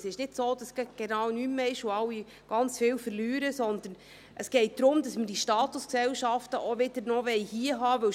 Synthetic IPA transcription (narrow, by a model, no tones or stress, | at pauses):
sɪʃnɪdsoːd̥ɑsɡɡ̥ɛnɑːwnymːəɪʃʊɑwːi | ɡ̥ɑnt͡sfɪːwfəɾlyːɾəsɔnd̪ən | ʔəsɡ̥ɛɪt̚d̪̥ɾʊmd̥ɑsməd̥iʃtɑːt̪ʊsksɛwʃɑftəʔoʋɪdəɾnɔʋɛɪhiəɦɑːʋɵw